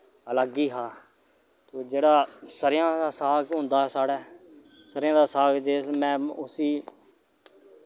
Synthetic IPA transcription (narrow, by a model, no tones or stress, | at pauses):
ələɡiːɦaː | t̪oːd͡ʒeːɽaːsəɾjãːd̪aːsaːkɦʊ̃nd̪aːsaːɽɛː | səɾɪjãːd̪aːsaːkd͡ʒeːmɛ̃ːʊsiː